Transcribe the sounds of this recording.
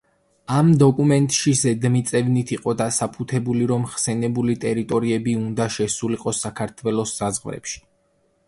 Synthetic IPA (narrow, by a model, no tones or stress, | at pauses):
amd̪ɔkʼumɛnt̪ʼʃizɛd̪mit̪sʼɛvnit̪ʰiqʼɔd̪asapʰut̪ʰɛbuliɾɔmχsɛnɛbulit̪ʼɛɾit̪ʼɔɾiɛbiund̪aʃɛsuliqʼɔsakʰaɾt̪ʰwɛlˠɔsːazʁvɾɛ̰pʃi̥